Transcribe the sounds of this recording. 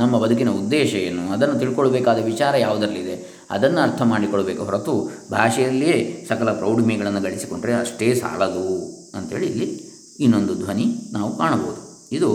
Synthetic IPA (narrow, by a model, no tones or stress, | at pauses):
nɐmːɐbɐd̪ʱuk̬inɐud̪ːɛːʃɐjenːuɐd̪ɐnːut̪iɭkoɭɐbeːkaːd̪ɐʋit͡ʃaːɾɐjaːʋud̪ɐɾɐlːid̪e̞ | ɐ̰d̪ɐnːuɐɾt̪ʰɐmaːɽikoɭːɐbeːkuɦɐɾɐt̪ubʱaːʂɛjɐlːieːsɐkɐlɐpɾɐwɖmijɡɐɭɐnːuɡɐɭisi̥ko̞ɳɖɾeɐʂʈe̞ːsa̰ːɭɐd̪u | ɐnt̪ɦe̞ːɭiilːi | inːo̞nd̪ud̪ʱʋɐninaːʋukaːɳɐboːud̪u | id̪u